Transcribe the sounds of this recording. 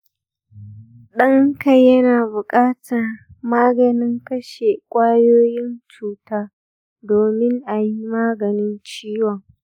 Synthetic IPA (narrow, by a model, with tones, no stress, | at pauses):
ɗɐ˦ŋka˨jɐ˦naː˨bʊ˨kʼaː˦tʰɐ˨rmaː˦ɡɐ˨nɪ˦ŋkɐ˦ʃe˨kʷʼaː˦joː˦jɪ˦nt͡ʃuː˨taː˦ | doː˨mɪ˦ŋʔa˨ji˦maː˦ɡɐ˨nɪ˦nt͡ʃiː˦wɔ˨ŋ